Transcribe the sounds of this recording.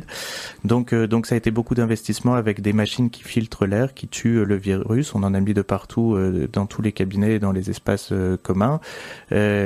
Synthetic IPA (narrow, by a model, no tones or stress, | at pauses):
d̪ɔ̃kød̪ɔ̃ksaet̪ebokud̪ɛ̃vɛst̪ismɑ̃avɛkd̪emaʃinkʲʰi̥filt̪χəlɛʁkʲit̪ʰyləviʁysɔ̃nɑ̃namid̪əpaʁt̪ʰuød̪ɑ̃t̪ʰulekabinɛd̪ɑ̃lezɛspasøkɔmɛ̃ø